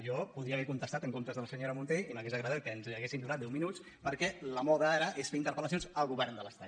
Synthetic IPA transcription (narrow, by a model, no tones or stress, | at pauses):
ʒɔpuðɾiəːβɛkunt̪əst̪at̪əŋkont̪əzðələsəɲoɾəmunt̪eiməɣezəɣɾəðɛt̪̚kənziəɣesind̪unat̪̚d̪ɛwminut͡s | pəɾkɛləmɔðəaɾəʔesfeint̪əɾpələsionzəlˠɣuβɛɾnd̪ələst̪a